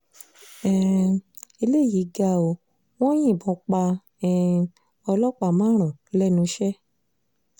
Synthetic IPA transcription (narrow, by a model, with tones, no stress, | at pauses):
ɛ̃˨ | e˧le˦˨ji˨˦ɡa˧˨o˧ | w̃ɔ̃˦j̃ĩ˦˨bɔ̃˨˧˦k͡pa˧ | ɛ̃˨ | ɔ˧lɔ˦k͡pa˧˨mãː˨˦ɾ̃ã˨lɛ˦˨nũ˧˦ʃɛ˦